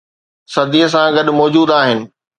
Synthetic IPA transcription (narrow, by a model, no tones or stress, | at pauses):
sɐd̪iɦəs̬ãɡɐɗmɔːd͡ʑuːd̪aːɦɪnɪ̆